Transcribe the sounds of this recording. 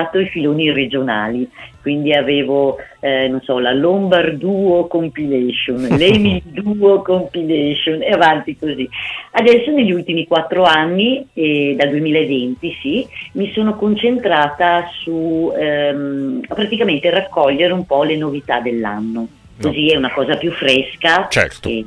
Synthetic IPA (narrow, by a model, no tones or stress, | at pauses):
at̪oifiloːnired͡ʒona̰ːlikwind̪iaveːvononsɔlalombard̪uːokompilɛʃonlemild̪uokompilɛʃoneavant̪ikoziad̪ɛsːoneʎːiult̪imikwat̪ːɾoanːiɛd̪ald̪uemiːlaevent̪isimisoːnokont͡ʃent̪ɾaːt̪asuɛ | pɾat̪ikament̪erakːɔʎːeɾumpɔlenovit̪ad̪elːa̰nːo | koziɛunakɔːzapjufːɾɛskat͡ʃɛ̰t̪e